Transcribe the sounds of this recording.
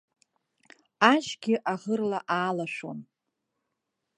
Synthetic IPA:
aʒɡʲɪʔaʁərlaʔaːlaʃʷᶣo̰n

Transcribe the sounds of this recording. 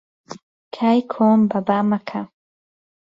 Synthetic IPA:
kʰajkʰoːmbabamakʰa

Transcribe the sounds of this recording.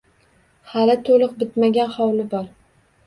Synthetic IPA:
halɪt̪ʰolˠɨqbɪt̪maɡʲanχɒwlɪbɒɾ

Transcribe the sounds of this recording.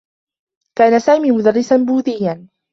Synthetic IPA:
kaːnasaːmiːmʊd̪arːɪsanbuːd̪ɪjːan

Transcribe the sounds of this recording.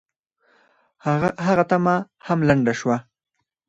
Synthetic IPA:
ɦaɣat̪ama | hamlaɳɖaʃwa

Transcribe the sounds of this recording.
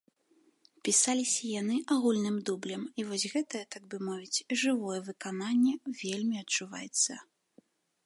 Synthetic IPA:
pʲisalʲisʲɐjan̪ɨʔaɣulʲnɨmd̪ublʲɛmivɔzʲɣɛt̪ɐjɛt̪aɡ̚bɨmɔvʲit͡sʲʐɨvɔjɛvɨkananʲːɛvʲelʲmʲiɐt͡ʂːuva̰jɛt̪sːɐ

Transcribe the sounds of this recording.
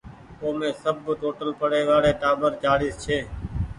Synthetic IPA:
oːmẽːsəbːʈoːʈəlpəɽeːʋaːɽeːʈaːbəɾt͡ʃaːɽiːst͡ʃʰeː

